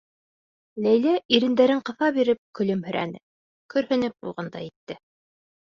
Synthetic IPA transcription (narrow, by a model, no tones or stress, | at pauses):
læjlæʔiɾɘ̆nd̪æɾɘŋqɤ̆θɑβiɾɘp̚kɵ̆lɵmhɵ̆ɾʔæ̰nɘ̰ | kɵ̆ɾhɘ̆nɘp̚bulˠʁɤnd̪ɑ̰jit̪ːɘ